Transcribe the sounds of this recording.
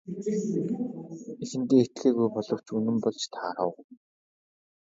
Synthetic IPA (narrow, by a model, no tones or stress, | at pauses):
isɘ̆nt̪eːet̪ɮeːɣujpɔɮɞ̆w̥t͡ɕɵnɘ̆mpɔɮt͡ɕt̪ʰa̰ɾə̰̆w